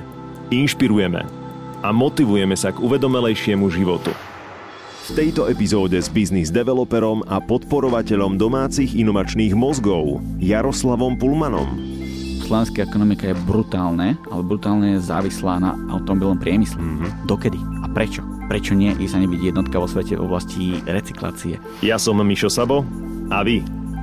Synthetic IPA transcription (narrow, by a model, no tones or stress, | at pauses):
inʃpiɾujɛmɛ̰ | amɔt̪iʋujɛmɛsaɡuʋɛd̪ɔmɛlɛjʃɪɛmuʒiʋɔt̪ṵ | ft̪ɛjt̪ɔɛpizɔːɟɛzbiznizd̪ɛʋɛlɔpɛɾɔmʔapɔt̪pɔɾɔʋacɛʎɔmd̪ɔmaːt͡siɣinɔʋat͡ʃniːɣmɔzɡɔʊjaɾɔslaʋɔmpulmanɔ̰m | slɔʋɛnskaɛkɔnɔmikajɛbɾut̪aːlnɛalɛbɾut̪aːlnɛːjɛza̰ːʋislaːna̰ | a̰ʊt̪ɔmɔbilnɔmpɾɪɛmislɛd̪ɔkɛd̪iapɾɛt͡ʃɔ̥pɾɛt͡ʃɔɲɪɛʔisaɲɛbiɟjɛd̪nɔt̪kaʋɔsʋɛcɛvɔ̰blasciɾɛt͡si̥kla̰ːt͡siɛ̰ | jasɔmmiʃɔsabɔaʋi